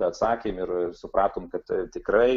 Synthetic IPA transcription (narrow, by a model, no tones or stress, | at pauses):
ɛɐt̪sɑːkʲeːmɪrsʊpɾɑːt̪oːmkɐt̪t̪ʲɪkrɐɪ